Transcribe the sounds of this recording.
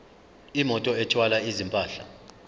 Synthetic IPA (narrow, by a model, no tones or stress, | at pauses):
imɔtʼɔɛt͡ʃʰwalaizimpʼaːɬa̰